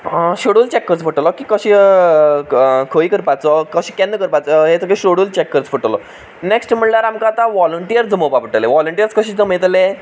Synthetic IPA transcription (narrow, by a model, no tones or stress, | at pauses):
ɕoɽult͡ɕɛkːəɾt͡sfəʈəlɔkikəɕi | kʰoikəɾpat͡sɔkəɕikɛ̃nːəkəɾpat͡sɔɦet̪əkeɕoɽult͡ɕɛkːəɾt͡sfəʈəlɔ | neksʈm̤əɳlaɾamkat̪aʋɔləɳʈijəɾd͡zəməpapəʈəleʋɔləɳʈijəɾt͡skəɕiːt̪əmet̪le